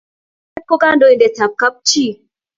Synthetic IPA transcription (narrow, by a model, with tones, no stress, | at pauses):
ɛ˦kːo˦ɡa˦ndo˨i˨ndɛ˨ta˨p̚ka˦p̚t͡ʃi˦˨